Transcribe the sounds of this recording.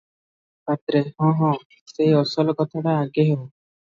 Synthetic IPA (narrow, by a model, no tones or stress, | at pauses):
bat̪ɾeɦɔ̃ɦɔ̃ | sejɔsɔlkɔt̪ʰaʈaaɡeɦeo